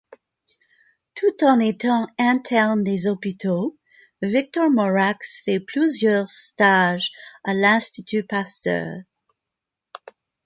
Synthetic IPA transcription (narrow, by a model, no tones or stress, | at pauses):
t̪ʰut̪ɑ̃net̪ɑ̃ɛ̃t̪ʰɛʁnd̪ezɔpit̪ʰo | vik̚t̪ɔʁmɔʁaksfɛpʰlyzjœʁst̪aʒalɛ̃st̪it̪ʰypast̪œ̰ʁ